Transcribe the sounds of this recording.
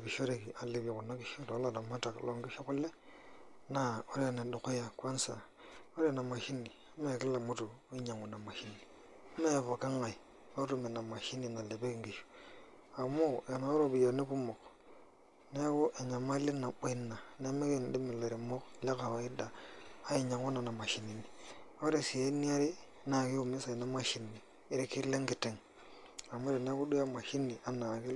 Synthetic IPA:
βi˨ʃo˦ɾe˨ki˨ʔa˨le˨βji˨ku˨na˦ki˨ʃo˦ɾo˦la˨na˨ma˦ta˨klo˨ŋɡi˦ʃo˦ku˦le˦ | na˦o˦ɾe˦˨na˨du˨ko˦ja˨kwa˦nsa̰˨ | o˦ɾe˦na˨ma˨ʃi˦ni˨˦me˦˨ki˦la˨mu˦tu˨˦i˦ɲa˨ŋu˨na˨ma˨ʃi˦ni˨˦ | me˦˨βo˨ka˦ŋa˨i˨ | o˦tu˦˨me˨na˨ma˨ʃi˦ni˨na˨le˨be˦kŋɡi˨ʃo̥˨ | a˨mo˦ja˨na˨o˦ɾo˦˨bi˨jo˨ne˦pu˦mo˨k | ne˦ko˦ʔe˨ɲa˨ma˦le˦na˨ɓe˦na˨ne˦me˦ke˦n˨di˦mi˨le˨ɾi˨mo˦kle˦ka˨wa˨ɪ˦daː˨˦i˨ɲa˨ŋo˦na˨na˨ma˨ʃi˨ni˨ni˨o˦ɾe˨si˨e˦ni˦a˦ɾi˦ | na˨ki˦u˨mi˦sa˨i˨na˦ma˦ʃi˨niː˨˦ | ɾi˦ki˦le˦ŋɡɪ˨te˦ŋ | a˨mo˦ɾe˨ne˦ko˦du˦ja˦ma˨ʃi˦ni˨a˨na˨ki˦l

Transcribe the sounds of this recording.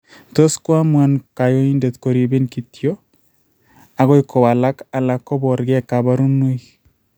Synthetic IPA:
t̪o˦skwa˦mwa˦nka˨jo˦i˦nde˨t̪ko˨ɾi˨be˦nki˨tjo˦ | a˨ɡɔ˦jkɔ˨wa˨la˦ka˨la˨kːɔ˦bɔ˨ɾɡɛ˦ka˨ba˦ɾu˦no˦j

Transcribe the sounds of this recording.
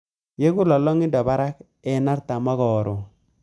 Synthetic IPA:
je˦ku˦lɔ˨lɔ˦ŋɪ˦ndɔ˨ba˦ɾa˦k | ɛ˨˦na˦rta˨ma˦ɣɔː˨ɾo˨

